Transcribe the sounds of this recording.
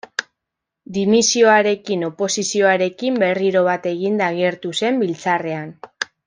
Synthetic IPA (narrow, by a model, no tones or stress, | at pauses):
d̪imisio̞aɾe̞kino̞po̞sisio̞aɾe̞kimbe̞riɾo̞βat̪e̞ɣind̪aɣeɾt̪use̞mbilt͡sare̞an